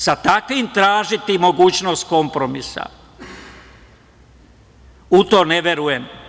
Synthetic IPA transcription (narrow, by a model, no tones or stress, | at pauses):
sat̪akʋimt̪ɾaːʒit̪imo̞ɡuːt͡ɕnost̪̚ko̞mpɾo̞misa̰ | ut̪o̞ːneʋje̞ɾujem